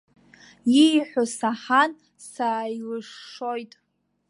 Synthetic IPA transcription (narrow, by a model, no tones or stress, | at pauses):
ijħʷosaħan | sailɨʂːojtʼ